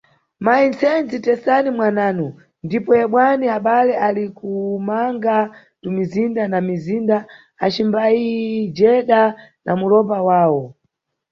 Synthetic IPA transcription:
maint͡sʰɛnd͡zitɛsanimwanaːnu | ndipɔjɛɓwaniaɓalɛʔalikumaŋɡa | tumizindanamizinda | at͡ʃimbaid͡ʒɛɗanʔamulɔpawaːwɔ

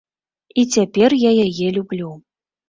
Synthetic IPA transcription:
it͡sʲapʲɛrjajajɛlʲublʲu

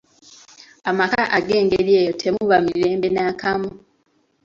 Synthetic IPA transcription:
amakaʔaɡe̞ːŋɡeɾjeːjotʰe̞muβamiɾe̞ːmbe̞naːkamu

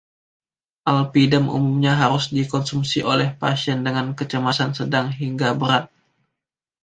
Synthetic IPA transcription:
ʔalpidəmʔṵmumɲaɦaɾʊsdikɔnsumsiʔolɛhpa̰siɛndəŋankət͡ʃəmasansədaŋɦiŋɡabəɾat̪̚

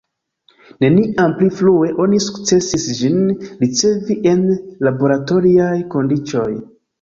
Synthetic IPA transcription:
ne̞niʔampliflue̞ʔo̞nisu̥kt͡se̞sisd͡ʒinɾit͡se̞viʔe̞nlabo̞ɾato̞ɾiajko̞ndit͡ʃo̞j

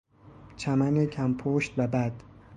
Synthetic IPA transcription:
t͡ʃʰæmænecʰæmpʰoːʃt̪væbæd̪̥

